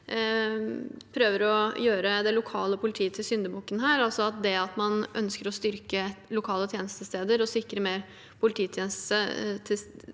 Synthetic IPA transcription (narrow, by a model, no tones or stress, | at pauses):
pʰɾøːʋəɾɔjøːɾəd̪ɛlʊkʰɑːləpʰʊlɪt̪ʰiːət̪ʰɪlsʏnd̪əbuːkənɦæːɾɑlsɔɑt̪̚d̪ɛɑt̪mɑnœnskəɾɔst̪ʏɾkəlʊkʰɑːlət̪ʰjeːnəst̪əst̪eːd̪əɾɔsɪkɾəmeːɾ | pʰʊlɪt̪ʰiːt̪ʰjɛːnəst̪sət̪ʰɪ